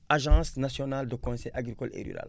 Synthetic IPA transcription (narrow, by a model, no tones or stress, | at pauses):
aʒɑ̃snasjɔnald̪əkɔ̃sɛjʔaɡɾikɔlḛɾy̰ɾa̰l